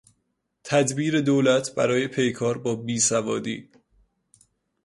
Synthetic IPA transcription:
t̪ʰæd̪biːɾe̞d̪oːlæt̪ʰbæ̰ɾɒːje̞pʰe̞jkʰɒːɾbɒːbiːsævɒːd̪ḭː

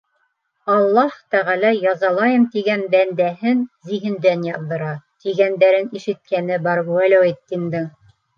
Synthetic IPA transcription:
ɑlˠːɑht̪æʁælæjɑzɑlˠɑjɤmt̪iɡænbænd̪æɦɘnziɦɘ̆nd̪ænjɑððɤ̆ɾɑt̪iɡænd̪æɾɘniʃɘ̆t̪̚kænɘbɑɾɡuælæwit̪ːind̪ɘŋ

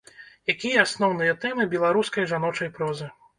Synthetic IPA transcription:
jakʲijɐasnɔwnɨjɐt̪ɛmɨbʲɛlˠaɾuskɐjʐanɔt͡ʂɐjpɾɔzɨ

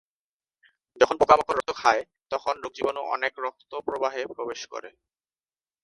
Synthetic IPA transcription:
d͡ʑɔkʰonpokamokoɾɔt̪okʰae | t̪ɔkʰonɾoɡ̚d͡ʑibonoʔɔ̰nekɾɔk̚t̪opɾobaɦepɾobeʃkɔ̰ɾḛ

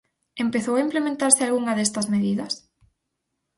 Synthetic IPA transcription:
empeθowaimplemẽnt̪aɾsɪalɣuŋɐðɛst̪ɐzmeðiðɐs

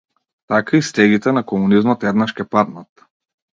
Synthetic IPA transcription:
t̪akaist̪ɛɡit̪ɛnakɔmunizmɔt̪ɛd̪naʃcʲɛpad̪nat̪̚

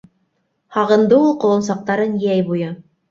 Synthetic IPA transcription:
hɑʁɤ̆nd̪ɤulˠqŏwˠɤ̆ns̬ɑq̚t̪ɑɾɤnjæjbujɤ

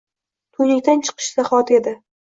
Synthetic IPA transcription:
t̪ʰʊjnɪkʲt̪ant͡ʃʰɨ̥qʰɨ̥ʃzaχɒt̪e̞d̪ɪ

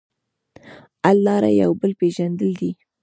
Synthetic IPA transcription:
alːɑɾa̰ja̰wbəlpeʒand̪əld̪i

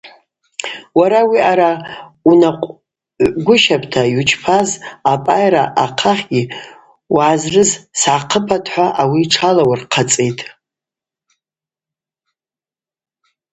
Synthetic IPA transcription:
waɾawiʔaɾaunaqʷʼ | ɡʷʊʃapʼʰtʰajut͡ʃʼʰpʰazapʼajɾaʔaqʰaχʲɡʲi | waːzrɨzsʕaqʰəpʰatʰʼħʷaʔawiʈ͡ʂʰalawarqʰat͡sʼejtʼ

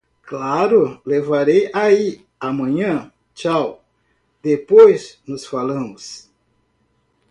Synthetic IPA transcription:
klaɾʊlevaɾejai | amɐ̃ɲɐ̃ | t͡ʃaw | d̪epojsnʊsfalɐ̃mʊs

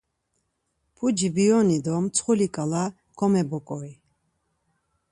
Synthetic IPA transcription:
pʰud͡ʒibiɔnid̪ɔmt͡sʰχulikʼala | ɡ̥ɔmɛbɔkʼɔi

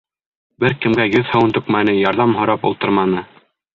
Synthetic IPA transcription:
bɘɾkɘ̆mɡæjɵðhɤ̆wnt̪ɵ̆kmænɘjɑɾðɑmɦŏɾɑpṵlˠt̪ɤɾmɑnɤ

